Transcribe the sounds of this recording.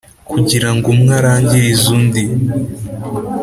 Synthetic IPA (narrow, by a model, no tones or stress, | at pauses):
kuɟiɾaŋɡumŋaɾaːɲɟiɾizundi